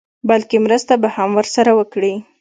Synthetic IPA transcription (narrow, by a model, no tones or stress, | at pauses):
balkemɾəst̪abahamwəɾsaɾawəkɽi